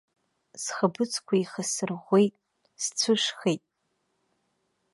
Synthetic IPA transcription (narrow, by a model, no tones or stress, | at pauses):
sχɐbɨt͡sʰʼkʷʰaiχɐsɨrʁʷejtʼ | st͡sʷʰɨʂxejtʼ